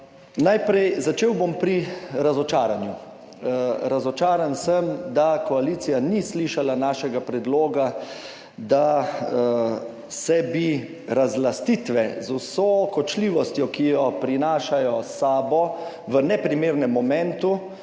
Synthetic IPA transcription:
najpɾɛjzat͡ʃeːwbompɾiɾazɔt͡ʃaːɾanju | ɾazɔt͡ʃaːɾansəmd̪akɔalit̪sijanisliʃalanaːʃɛɡapɾɛd̪loːɡa | d̪a | sɛbi | ɾazlast̪it̪ʋɛzusokɔt͡ʃliːʋɔst̪jɔkijɔpɾinaːʃajɔsaːbɔ | ʋənɛpɾimeːɾnɛmːɔmɛ̃nt̪u

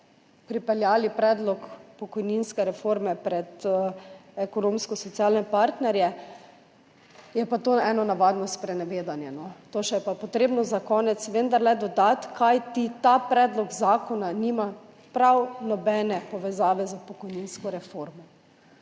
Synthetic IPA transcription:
pɾipɛljaːlipɾɛːd̪lɔkpɔkɔjninskɛɾɛfoɾmɛpɾɛt̪ | ɛkɔnõːmskɔsɔt̪siaːlnɛpaɾt̪nɛɾjɛ | jɛpat̪oːɛːnɔnaʋad̪nɔst̪pɾɛnɛʋeːd̪anjɛnɔt̪oʃɛjɛpapɔt̪ɾeːbnɔzakɔːnɛt̪sʋənd̪aɾlɛd̪ɔd̪at̪kʰajt̪it̪apɾɛːd̪lɔɡzaːkɔnaniːma | pɾawnɔbɛːnɛpɔʋɛzaːʋɛzapɔkɔjninskɔɾɛfoɾmɔ

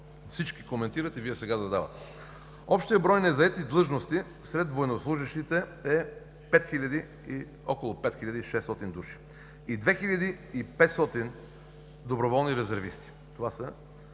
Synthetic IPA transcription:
fsit͡ʃkikomɛnt̪iɾət̪iviɛsɛɡad̪ɐd̪avɐt̪ɛ̥ | ɔpʃt̪ijəbɾɔjnɛzɐɛt̪id̪lˠɤʒnost̪i | sɾɛt̪vojɛnoslˠuʒiʃt̪it̪ɛɛ | pɛt̪xilʲɐd̪i | i | ɔkolˠopɛt̪xilʲɐd̪iiʃɛst̪ɔt̪ind̪uʃi̥ | id̪vɛxilʲɐd̪iːpɛt̪st̪ɔt̪in | d̪obɾovɔlˠniɾɛzɛɾvist̪i̥ | t̪ovasə

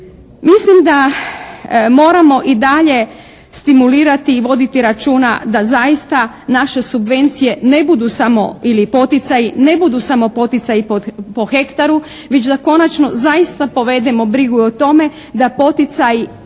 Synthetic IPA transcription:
mislimd̪a | mo̞ːɾamo̞ʔid̪aʎe̞ | st̪imuliːɾat̪iːʋo̞d̪it̪iɾat͡ʃuːna̰d̪azajist̪a | naʃe̞subʋe̞nt̪sije̞ne̞bud̪usamo̞̰ilipo̞t̪it̪sajine̞bud̪usamo̞po̞t̪it̪sajipopo̞xe̞kt̪aɾu | ʋe̞t͡ʃd̪ako̞nat͡ʃno̞zaist̪apo̞ʋe̞d̪emo̞bɾiɡuot̪o̞me̞ | d̪apo̞t̪it̪saji

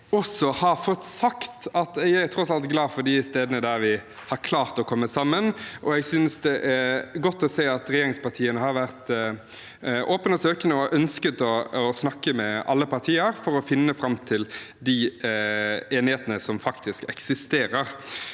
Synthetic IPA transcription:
ɔsɔhɑɾfɔt̪ːsɑkt̪ɑt̪ɛæt̪ʰɾɔsɑlt̪ɡlɑːfɔɾɖ̪ɪst̪eːd̪ənəd̪æɾʋɪ | hɑɾkʰlɑːɾt̪ɔkʰɔmːəsɑmːənʔɔɛɡsʏnsd̪ɛʔæɡɔt̪ːɔseːɑt̪ɾɛjeːɾɪŋspɑt̪ʰiːənəhɑɾʋæʁt̪ | ʔoːpənɔsøːkənəɔʔœnskət̪ɔːsnɑkːəmɛʔɑ̰lːəpɑʁt̪ʰiːəɾfɔɾɔfɪnːəfɾɑmt̪ʰɪl | d̪i | eːnɪheːt̪ənəsɔmfɑkt̪ɪskɛksɪst̪eːɾəɾ

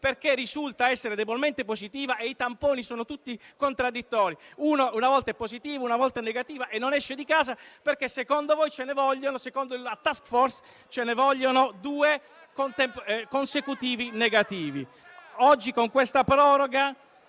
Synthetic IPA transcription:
perkerːizult̪aɛsːeɾed̪ebolment̪epozit̪iːvaʔeit̪ampoːnisɔːnot̪ut̪ːikont̪ɾad̪ːit̪ːɔːɾiunounavɔlt̪aɛpːozit̪iːvounavɔlt̪anːeɡat̪iːvaʔenːonɛʃːed̪ikaːzaperkesːekond̪ovɔjt͡ʃenevɔʎːonosekond̪oilat̪askfɔrs | t͡ʃenevɔʎːonod̪uːe | kont̪ɛmpkonsekut̪iːvineɡat̪iːvḭ | ɔd͡ʒːikoŋkwest̪apɾɔːɾoɡa

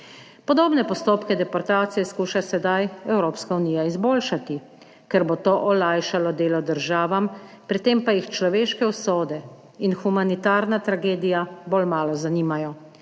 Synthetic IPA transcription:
pɔd̪oːbnɛpɔst̪oːpkɛd̪ɛpɔɾt̪aːt̪sijɛskuːʃasɛd̪ajɛwɾoːpskauniːjaizboːlʃat̪i | kɛɾbot̪oːʔɔlajʃalɔd̪eːlɔd̪əɾʒaːʋam | pɾit̪eːmpajixt͡ʃlɔʋeːʃkɛusoːd̪ɛ | inxumanit̪aːɾnat̪ɾaɡeːd̪ijaboːlmaːlɔzaniːmajɔ

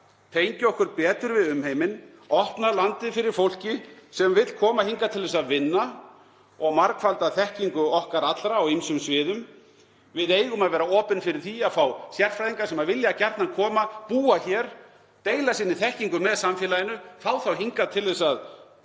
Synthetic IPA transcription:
t̪ʰeːjɲcʏɔhkʏɾpɛːt̪ʏɾvɪðʏmhejmɪn | ɔhpnalant̪ɪfɪɾɪɾ̥fowl̥cɪsɛmvɪt̪l̥kʰɔːmahiŋkat̪ʰɪlðɛsaðvɪnːa | ɔɣmaɾkfalt̪aðθɛhciŋkʏɔhkaɾat̪lɾaːwinsʏmsvɪːðʏm | vɪðeːjɣʏmaðvɛːɾaɔːpʏnfɪɾɪɾ̥θiaðfawsjɛr̥fɾajðiŋkasɛmaðvɪljacɛɾt̪nakʰɔːmapuːaçɛɾ̥ | t̪eːjlasiːnːɪθɛhciŋkʏmɛðsamfjɛlajɪnʏθaːwθawɦiŋkat̪ʰɪlðɛsað

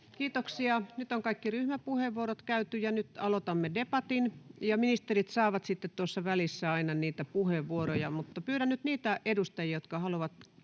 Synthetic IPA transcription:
kiːt̪oksiɑnyt̪oŋkɑikːiryhmæpuheʋːuoɾot̪kæyt̪yjɑnyt̪ɑlot̪ɑmːedepɑt̪injɑminist̪erit̪sɑːʋɑt̪sit̪ːet̪t̪uosːɑʋælisːæɑinɑniːt̪æpuheʋːuoɾojɑmut̪ːɑpyːɾænnyt̪niːt̪æʔedust̪ɑjiɑjot̪kɑhɑluʋɑt̪

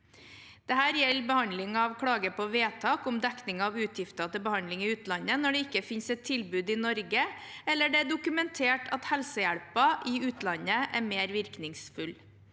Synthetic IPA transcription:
d̪̥ɛhæːɾjɛlːbəhɑnlɪŋɑɑʋkʰɽɑːɡəpʰɔʋeːt̪ʰɑːkʊmd̪ɛknɪŋɑʋʉːt̪ʰjɪft̪ɑt̪ɪlbəhɑnd̪lɪŋɪʉːt̪lɑnənɔɖɛɪkːəfɪnsɛt̪ʰːɪlbʉːd̪ɪnɔɾɡə | ɛlːəɖɛæɖʊkʉmɛnt̪ʰeːʈʰɑt̪hɛlsəjæɽpɑʔɪʉːt̪lɑnəʔæɾmeːɾʋɪɾknɪŋsfʉl

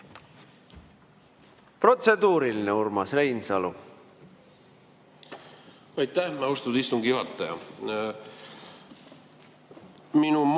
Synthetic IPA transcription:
pro̞t̪se̞d̪uːɾilineurmɑsrejnsɑlṵ | ɑjt̪ːæhmɑust̪ud̪ist̪uŋɡijuɦɑt̪ːˑɑjɑ̰ | minum

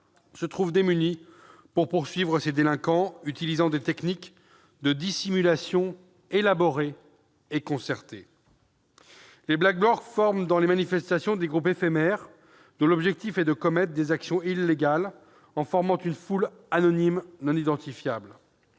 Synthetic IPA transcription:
sət̪χuvd̪emyni | puʁpuʁsɥivʁəsed̪elɛ̃kɑ̃yt̪ilizɑ̃d̪et̪ɛknik | d̪əd̪isimylasjɔ̃ | elabɔʁe | ekɔ̃sɛʁt̪e | leblak̚blɔʁɡfɔʁmd̪ɑ̃lemanifɛst̪asjɔ̃d̪eɡʁupefemɛʁ | d̪ɔ̃lɔbʒɛk̚t̪ifɛd̪əkɔmɛt̪χd̪ezaksjɔ̃ilːeɡal | ɑ̃fɔʁmɑ̃t̪ynful | anɔnimnɔ̃nid̪ɑ̃t̪ifjabl

